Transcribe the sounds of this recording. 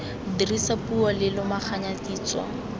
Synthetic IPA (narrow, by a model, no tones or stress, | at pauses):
dirisapuɔlɪlʊmaχʰaɲatiːt͡swɔ̰